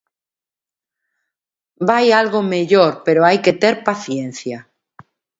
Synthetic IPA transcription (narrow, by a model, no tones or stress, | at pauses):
bajalɣomeʎoɾpeɾoajket̪eɾpaθjẽn̟θja